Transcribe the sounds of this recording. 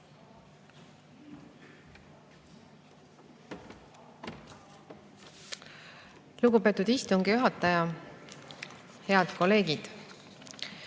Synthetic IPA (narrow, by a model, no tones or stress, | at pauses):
luɡupe̞ːt̪ːˑud̪̥ist̪uŋɡ̥ijuɦɑt̪ːˑɑjɑ | he̞ɑd̪̥ko̞le̞ːɡid̪̥